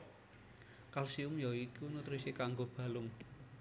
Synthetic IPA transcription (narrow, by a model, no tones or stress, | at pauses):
kalsiʊmjaikunut̪ɾisikaŋɡob̥a̤lʊm